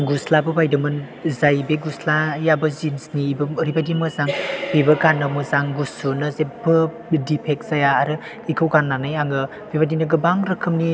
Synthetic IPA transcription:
ɡuslabɯbajdɯmɯn | zajbeɡuslajabɯzinsniːbɯɾibadimɯzaŋpʰebɐkanɐmɯzaŋɡusunɐzebɯ | dipʰek̚sajaːɾɯ | ikʰɯwɡanːanajaŋɯ | bebadinɯɡɯbaŋɾɯkʰɯmni

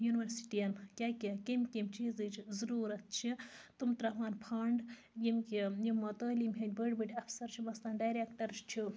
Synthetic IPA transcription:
junʋɐɾsi̥ʈijɐnkʲakʲikimkʲimt͡ʃiːzɨt͡ʃʰzɐɾuːɾɐt̪̚t͡ʃʰit̪umt̪ɾɐʋaːnpʰaːɳɖ | jimʲkʲijimːɐt̪oːlimɦɐnʲbəɽbɨʈʰʲɐfsɐɾt͡ʃʰimɐslɐːnɖajɾekʈɐɾt͡ʃt͡ʃʰi

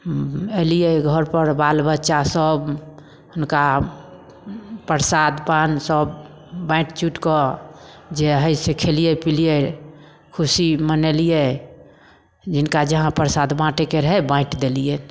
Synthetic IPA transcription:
elijɛɡʱɔɾpəɾbalbətːʃasəb | ɦunka | pəɾsad̪pansəbː | ãɪʈt͡ʃuʈkɔ | d͡ʒeɦəjsekʰelijɛpilije | kʰusimənelije | d͡ʒinkad͡ʒəɦãpəɾsad̪bãʈekeɾəɦɛbãɪʈd̪elije

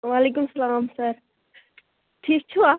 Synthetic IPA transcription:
ʋaːleːkʊmsɐlaːmsɐɾ | ʈʰiːk̚t͡ɕʰuaː

